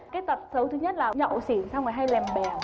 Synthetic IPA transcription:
kaː˨˦jt̪ə˨˩p̚sə˨˦wt̪ʰɨ˧˦ɲə˦˥t̚laː˨˩ɲɔ̰˧˨si˧˩ənsa˧wŋaː˨˩jɦa˧jlɛ˨˩mɓɛ˨˩

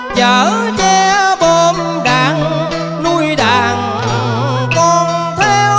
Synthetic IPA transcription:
t͡ɕəː˨˩˦t͡ɕɛ˧ɓo˧˩m | ɗaː˧˨˩ŋ | nu˧jɗaː˧˩ŋ | kɔ˧˩nt̪ʰe˧w

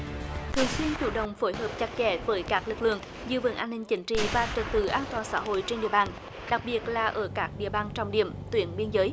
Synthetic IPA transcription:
t̪ʰɨ˨˩əŋswi˧ənt͡ɕṵ˧˩ɗə̰˧˨wŋ͡mfo˨˦jɦəː˨˩p̚t͡ɕa˦˥k̚t͡ɕɛ̰˧˩˦vəː˨˦jkaː˦˥k̚lɨ˨˩k̚lɨ̰˧˨əŋ | zɨ̰˧və̰˧˩nʔaː˧nːï˧ŋ̟t͡ɕï˨˦ŋ̟t͡ɕḭ˧˨vaː˨˩t͡ɕə˧˩nt̪ɨ̰˧˩ʔaː˧nt̪waː˨˩nsa̰ː˧˥ɦo̰˧˨jt͡ɕe˧nɗḭ˧əɓaː˧˨˩n | ɗa˨˩k̚ɓi˨˩ət̚laː˨˩ʔəː˧˩kaː˦˥k̚ɗḭ˧˨əɓaː˧˩nt͡ɕɔ˧wŋ͡mɗḭ˧˩əmt̪wi˧˩ənɓi˧ənzəː˨˦j

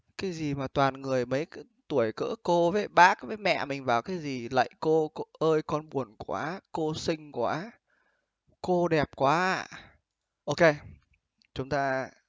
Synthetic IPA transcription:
kaː˨˦jzi˨˩maː˨˩t̪waː˨˩nŋɨ˨˩əjmə˨˦j | t̪u˧˩əjkɨ̰˧˥əko˧vəː˨˦jɓaː˦˥k̚vəː˨˦jmɛ̰˧˨mï˨˩ŋ̟vaː˨˩wkaː˨˦jzi˨˩lə̰˧˨jko˧ʔəː˧jkɔ˧nɓu˨˩ənkwa̰ː˨˦ko˧sï˧ŋ̟kwaː˨˦ | ko˧ɗɛ˨˩p̚kwaː˨˦a˧˨ | ʔo˧ke˧ | t͡ɕʊ˨˦ŋ͡mt̪aː˧

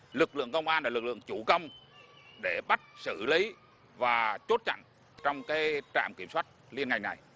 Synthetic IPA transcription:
lɨ˨˩k̚lɨ̰˧˨əŋkə˧wŋ͡mʔaː˧nlaː˨˩lɨ˨˩k̚lɨ̰˧˨əŋt͡ɕu˧˩kə˧wŋ͡m | ɗe˧˩ɓa˦˥t̚sɨ˧˩li˨˦ | vaː˨˩t͡ɕo˦˥t̚t͡ɕa̰˧˨ŋ | t͡ɕɔ˧wŋ͡mkaː˨˦jt͡ɕa̰ː˧˨mki˧˩əmswaː˦˥t̚li˧ənŋa˨˩jna˨˩j

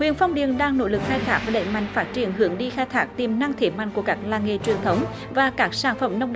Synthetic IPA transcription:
hwḭ˧˨ənfɔ˧wŋ͡mɗḭ˨ənɗaː˧ŋno̰˧˥lɨ˨˩k̚xaː˧jt̪ʰaː˦˥vaː˨˩ɗə̰˧˥ŋma̰˧˨jŋ̟faː˦˥t̚t͡ɕi˧˩ənɦɨ˧˩əŋɗi˧xaː˧jt̪ʰaː˦˥k̚t̪i˨˩mna˧ŋt̪ʰe˨˩ma̰˧˨jŋ̟ku˧˩əkaː˦˥k̚laː˨˩ŋḛ˧˨t͡ɕwi˨˩ənt̪ʰə˨˦wŋ͡m | vaː˨˩kaː˦˥k̚saː˧˩nfə˧˩mna˧wŋ͡mɗ

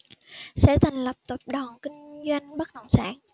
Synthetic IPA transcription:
sɛ̰˧˥t̪ʰa˨˩jŋ̟lə˨˩p̚t̪ə˨˩p̚ɗɔ˨˩nkï˧ŋ̟zwa˧jŋ̟ɓə˦˥t̚nə̰˧˨wŋ͡msa̰ː˧˥˩n

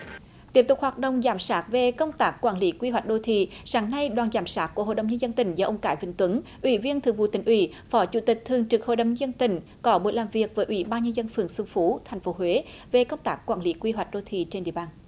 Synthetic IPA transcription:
t̪i˨˦˥əp̚t̪ʊ˨˩k͡p̚hwaː˨˩t̚ɗə̰˧˨wŋ͡mzaː˧˩msaː˦˥t̚ve˨˩kə˧wŋ͡mt̪aː˦˥kːwaː˧˩nli˨˦kwi˧ɦwa˨˩jk̚ɗo˧t̪ʰḭ˧˨saː˨˦ŋna˧jɗwaː˨˩nzaː˨˩msaː˦˥t̚ku˧˩əo˧˨ɗə˨˩wŋ͡mɲə˧nzə˧nt̪ï˧˩ŋ̟zɔː˧ʔə˧wŋ͡mkaː˧˩jvï˧˩ŋ̟t̪wə˨˦nʔwi˧˦vi˧ənt̪ʰɨ˨˩əŋvṵ˧˨˩t̪ï˧˩ŋ̟ʔwi˧˩ | fɔ˨˦t͡ɕu˧˩t̪ï˨˩k̟̚t̪ʰɨ˨˩əŋt͡ɕɨ˨˩k̚ho̰˧˨jɗə˨˩wɲə˧zə˧nt̪ï˧˩ŋ̟ | kɔ˨˦ɓṵ˨˩əjlaː˨˩mvi˨˩ək̚vəː˨˦jʔwḭ˧˦ɓaː˧nɲə˧nzə˧nfɨ˨˩əŋswɨ˧ŋfu˨˦t̪ʰa˨˩jŋ̟fo˨˦ɦwe˨˦ | ve˨˩kə˧wŋ͡mt̪aː˦˥kːwaː˧˩nli˨˦kwi˧ɦwa˨˩jk̟̚ɗo˧t̪ʰḭ˧˨t͡ɕe˧nɗḭ˧˨əɓaː˧n

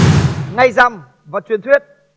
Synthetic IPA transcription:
ŋa˧jza˧m | vaː˨˩t͡ɕwi˨˩ənt̪ʰwi˦˥ət̚

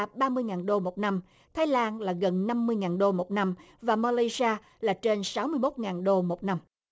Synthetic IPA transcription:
ɓaː˧mɨ˧əjŋaː˨˩nɗo˧mo˨˩t̚na˧m | t̪ʰaː˨˦jlaː˧nlaː˨˩ɣə˨˩nna˧mːɨ˧əjŋaː˨˩nɗo˧mo˨˩t̚na˧m | vaː˨˩maː˧lə˧saː˧ | laː˨˩t͡ɕe˧nsa˨˦wmɨ˧əjmo˦˥t̚ŋaː˨˩nɗo˧mo˨˩t̚na˧m

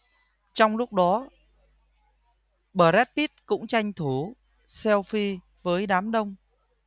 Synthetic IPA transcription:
t͡ɕɔ˧wŋ͡mlʊ˦˥k͡p̚ɗɔ˨˦ | ɓəː˧˩zɛ˦˥t̚p̪i˦˥t̚kʊ̰˧˥ŋ͡mt͡ɕa˧jŋ̟t̪ʰu˧˩ | sɛ˧wfi˧ | vəː˨˦jɗaː˨˦mɗə˧wŋ͡m

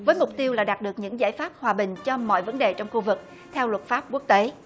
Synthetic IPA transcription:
vəː˨˦jmʊ˨˩k͡p̚t̪i˧əwlaː˨˩ɗaː˨˩t̚ɗɨ˨˩ək̚ɲɨ̰˧˥ŋza̰ː˧˥jfaː˦˥p̚hwaː˨˩ɓï˨˩ŋ̟t͡ɕɔ˧mɔ̰˧˨jvə˨˦nɗe˨˩t͡ɕɔ˧wŋ͡mxu˧vɨ˨˩k̚ | t̪ʰɛ˧wlwə˨˩t̚faː˦˥p̚ku˦˥ək̚t̪e˨˦

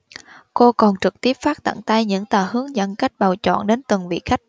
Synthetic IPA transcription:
ko˧kɔ˨˩nt͡ɕɨ˨˩k̚t̪i˦˥əp̚faː˦˥k̚t̪a̰˧˨ŋt̪a˧jɲɨ̰˧˥ŋt̪aː˨˩hɨ˨˦əŋzə̰˧˥nka˦˥jk̟̚ɓa˨˩wt͡ɕɔ̰˧˨nɗe˨˦nt̪ɨ˨˩ŋvḭ˧˨xa˦˥jk̟̚

